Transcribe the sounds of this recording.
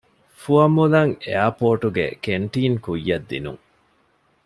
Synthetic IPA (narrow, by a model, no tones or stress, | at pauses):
fuɐmulɐŋḛapoːʈuɡḛkeɳʈiːŋkujːɐd̪ːḭnṵŋ